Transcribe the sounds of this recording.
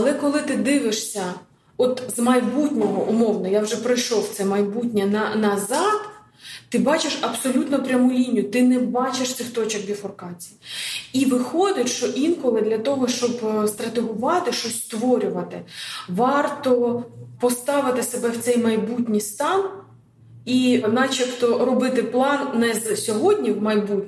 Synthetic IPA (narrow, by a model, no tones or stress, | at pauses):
ɐlˠɛkɔlˠɪt̪ɪd̪ɪʋɪʃsʲɐ | ɔt̪zmɐjbutʲnʲɔɦɔʔʊmɔwnɔjawʒɛpɾɪjʃɔwt̪sɛmɐjbutʲnʲɛnɐnɐzɑd̪ | t̪ɪbɑt͡ʃeʃɐbsɔlʲut̪nɔpɾʲɐmulʲinʲːjʊt̪ɪnɛbɑt͡ʃeʃt̪sʲɪwt̪ɔt͡ʃɐɡ̚d̪ʲifɔrkɑt͡sʲijiiʋɪxɔd̪ʲɪtʲʃt͡ʃɔʔinkɔlˠɪd̪lʲɐt̪ɔɦɔʃt͡ʃɔbst̪ɾɐt̪eɦʊʋɑt̪ɪʃt͡ʃɔsʲst̪ʋɔɾʲʊʋɐt̪ɪʋɑrt̪ɔpɔst̪ɑʋɪt̪ɪsebɛwt̪sɛjmɐjbutʲnʲijst̪ɑn | inɑt͡ʃikt̪ɔɾɔbɪt̪ɪplˠɑnːɛzsʲɔɦɔdʲnʲiwmɐjbutʲ